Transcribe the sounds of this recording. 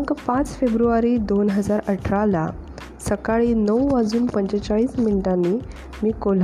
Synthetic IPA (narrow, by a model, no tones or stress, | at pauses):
kpãt͡sfebɾuʋaɾiːd̪onɦəd͡zaɾəʈʰɾala | səkaɭiːnəwəd͡zuːnpəɲt͡ɕet͡saɭiːsmiɳʈãnːiː | miːkol